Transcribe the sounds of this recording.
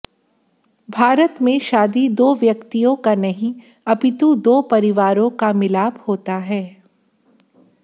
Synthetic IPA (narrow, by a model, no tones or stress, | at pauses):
bʱaːɾət̪mẽʃaːd̪id̪oːʋjɐkt̪ijõkanɐɦĩ | ɐpɪt̪ũd̪oːpɐɾɪʋaːɾõkamɪlaːbhoːt̪aɦɛː